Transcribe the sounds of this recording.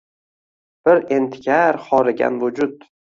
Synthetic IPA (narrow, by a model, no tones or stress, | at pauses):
b̥ɪɾe̞nt̪ʰɪ̥kʲʰaɾχɒɾɪɡʲa̰nvʊd͡ʒʊt̪